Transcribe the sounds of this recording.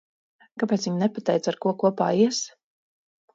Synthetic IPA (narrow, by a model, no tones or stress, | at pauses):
kapɛːt̪sviɲnɛpat̪ɛjt̪saɾkuɔkuɔpa̰ːiɛs